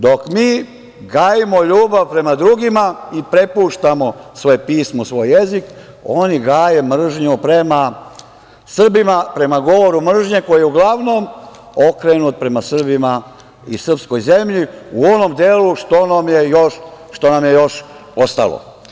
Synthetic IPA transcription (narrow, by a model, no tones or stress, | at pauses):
d̪o̞kmiː | ɡaːjimo̞ʎuːbaʋpɾe̞mad̪ɾuɡimaipɾe̞puːʃt̪amo̞sʋojepiːsmosʋo̞ːjjezik | o̞niɡaːjemr̩ʒɲupɾema | sr̩bimapɾe̞maɡo̞ʋo̞ɾumr̩ʒɲe̞ko̞jijeuɡlaʋnom | o̞kɾenut̪̚pɾe̞masr̩bima | ḭsr̩psko̞jze̞mʎiuo̞no̞md̪eːluʃt̪onamjejoʃː | t̪o̞namje̞jo̞ʃ | o̞st̪a̰lo̰